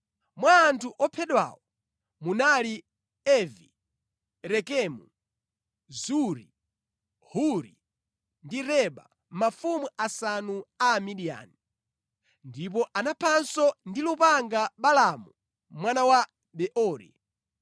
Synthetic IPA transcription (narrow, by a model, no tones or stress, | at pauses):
mwaːntʰuʔɔpʰɛɗwa̰wɔ | munali | ɛvi | ɾɛkɛmu | zuɾi | huɾḭ | ndiɾɛɓa̰ | mafumuasanuaːmiɗia̰ni | ndip̬ɔʔanapʰansɔndilupaŋɡaɓalamu | mwanawa | ɓɛʔɔːɾḭ